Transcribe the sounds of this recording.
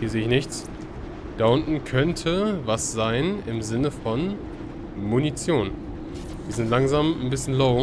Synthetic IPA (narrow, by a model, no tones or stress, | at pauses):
hiɐzeːəɪçnɪçt͡s | d̥aʔʊntn̩kʰœntʰəvasz̥aɪnɪmzɪnəfɔn | munit͡sjoːn | v̥iːɐzɪntlaŋzaːmnbɪsçənloʊ